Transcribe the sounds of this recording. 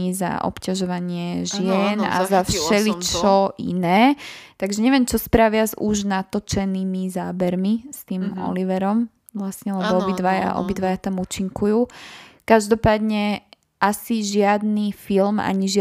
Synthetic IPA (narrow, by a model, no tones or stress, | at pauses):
iza̰ʔɔ̰pcaʒɔʋaɲɪɛʒɪɛna̰zafʃɛlit͡ʃɔʔḭnɛːt̪aɡʒɛɲɛʋɛmt͡ʃɔspɾaʋɪazuʒnat̪ɔt͡ʃɛnimizaːbɛɾmist̪iːmɔ̰liʋɛɾɔm | ʋlasɲɛlɛbɔɔbid̪ʋaja̰ʔɔ̰bid̪ʋajat̪amuːt͡ʃiŋkujuːkaʒd̪ɔpaːd̪ɲɛ | ʔasiʒɪad̪nifilma̰ɲiʒɪ